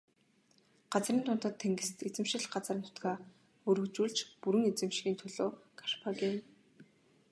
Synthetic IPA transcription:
ɢat͡sriːnt̪ʰʊn̥t̪ə̆t̪ʰːeŋɡɘ̆st̪et͡sɘ̆mʃɪ̆ɮɢat͡sərnʰʊ̥t̪ɡaː | ɵɾɵ̆kt͡ɕuːɮt͡ɕpuɾɘ̆ŋet͡sɘ̆mʃɣʲiːnt̪ʰɵɮoːkʰḁʃpʰaɣiːn

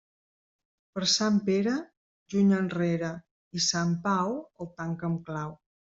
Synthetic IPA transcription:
pəɾsampeɾə | ʒuɲənreɾə | isampawəlˠt̪aŋkəmklaw

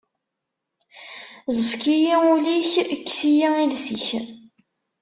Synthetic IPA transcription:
zəfkijiuliçəkːsijailsiç

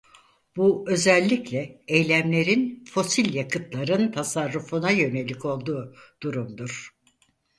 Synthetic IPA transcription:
buø̞zælʲːiclʲɛejlʲæmlʲe̞ɾinfo̞silʲjakʰɯt̪lˠaɾɯnt̪ʰasaɾːufunajø̞ne̞lʲico̞lˠd̪uːd̪̥uɾumd̪uɾ̥

